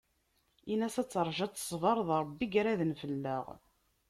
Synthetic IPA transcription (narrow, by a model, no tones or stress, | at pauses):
inæsæt͡sːəɾˤʒɑt͡s̪ːə̥sˤvɑɾˤðˤɾˤəbːiɡɾæðənfəlːə̰ʁ